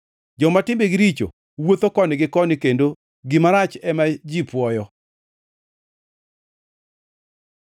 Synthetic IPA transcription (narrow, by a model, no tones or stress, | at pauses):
d͡ʒɔmatɪmbeɡɪɾit͡ʃo̰ | wot̪okɔnɪɡɪkɔnɪkendo | ɡɪmaɾat͡ʃɛmad͡ʒipwɔjɔ